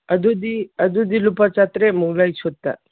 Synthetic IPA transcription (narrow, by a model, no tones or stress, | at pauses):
ɐd̪ud̪iɐd̪ud̪ilupat͡ʃat̪ɾemuɡlajt͡ʃʰɔt̪ːa̰